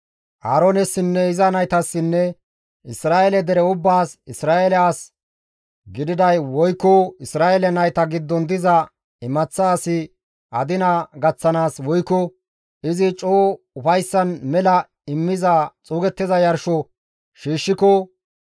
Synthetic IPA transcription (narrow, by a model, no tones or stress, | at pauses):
ʔaːɾɔnɛsːɪnːɛɪzɐnɐjt̪ɐsːɪnːɛ | ɪsɾaːɛlɛd̪ɛɾɛʊbːaːsɪsɾaːʔɛlɛaːs | ɡɪd̪ɪd̪ɐjwɔjkːɔɪsɾaːʔɛlɛnɐjt̪ɐɡɪd̪ːɔnd̪ɪzɐ | ɪmɐt͡sːaːsɪ | ʔɐd̪ɪnɐɡɐt͡sːɐnaːswɔjkːɔ | ɪzɪt͡ʃʼoː | ʊfɐjsːɐnmɛlɐ | ɪmːɪzɐt͡sʼuːɡɛt̪ːɪzɐjɐɾʃɔ | ʃiːʃːɪkɔ